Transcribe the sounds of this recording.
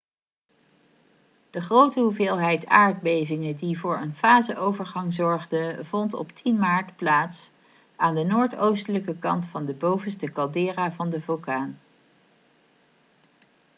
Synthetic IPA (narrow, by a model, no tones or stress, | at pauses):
d̥əχrowtəɦuvɪːlˠɦɛjta̰ːɹd̚bejvɪŋədivʊːɹə̰nfaːzəʔowvəɹχɑŋzɔɹχdəvɔntɔ̰ptʰinmaːɹtplaːts | ʔaːndənoːɹtowstələkəkɑntfɑndəbowvənstəkɑlˠdɪːraːvɑndəvɵlˠkaːn